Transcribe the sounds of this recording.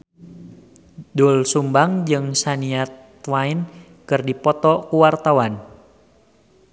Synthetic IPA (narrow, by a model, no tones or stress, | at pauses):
dulsumbaŋd͡ʒɨŋsaniat̪ | waɪn | kɨrdipɔt̪ɔkuwart̪awan